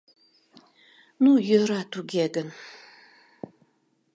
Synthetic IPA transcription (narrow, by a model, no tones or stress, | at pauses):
nujəɾatʰuɡʲeɡɐn